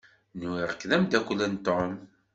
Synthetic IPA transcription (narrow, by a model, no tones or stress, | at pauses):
nwiɾəkːðæmd̪ækʷːlənt̪ːɔm